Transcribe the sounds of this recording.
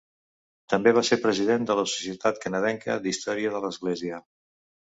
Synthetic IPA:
t̪əmbeβ̞aseɾpɾəziðend̪ələsu̥siət̪at̪kənəðɛŋkə̰d̪ist̪ɔɾiəðələzɣleziə

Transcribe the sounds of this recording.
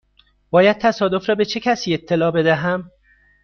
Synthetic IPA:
b̥ɒːjæd̪̥̚t̪ʰæsɒːd̪ofɾɒːbe̞t͡ʃʰe̞cʰæsiːe̞t̪ʰːe̞lɒːbe̞d̪æɦæm

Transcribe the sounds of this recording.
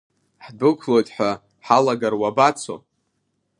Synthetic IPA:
ħdɨkʷʰlo̞jtʼħʷa | ħalaɡarwabat͡sʷʰo̰

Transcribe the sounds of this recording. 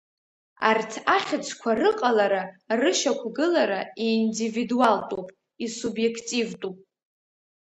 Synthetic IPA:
a̰rtʰaχʲɪt͡sʷʰkʷʰarɨqʼalaɾarɨʃakʷʰɡɨlaɾaiːndividualtʼupʼ | isubje̞kʰtʼivtʼupʼ

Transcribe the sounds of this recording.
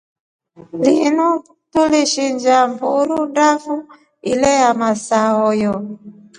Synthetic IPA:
linu | tuliʃiɲd͡ʒambuɾundafu | ilɛjamasaɔjɔ

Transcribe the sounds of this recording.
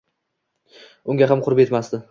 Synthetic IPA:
ʊŋɡʲaɦamqʰʊɾɪpe̞t̪masd̪ɪ

